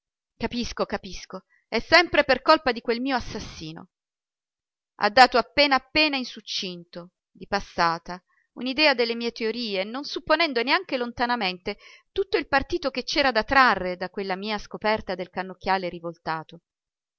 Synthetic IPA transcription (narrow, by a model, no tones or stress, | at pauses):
kapiskokapisko | ɛsːɛmpɾeperkolpad̪ikwelmiːoasːasːiːno̰ | ʔa̰d̪ːaːt̪oapːeːnaːpːeːnainsut͡ʃːint̪o | d̪ipasːaːt̪a | ṵnid̪ɛːad̪elːemiːet̪eoɾiːenonsupːonɛnd̪oneaŋk̟elont̪anament̪et̪ut̪ːoilpart̪iːt̪ok̟et͡ʃːɛːɾad̪at̪ːɾarːed̪akwelːamiːaskopɛrt̪ad̪elkanːok̟ːjaːleɾivolt̪aːt̪o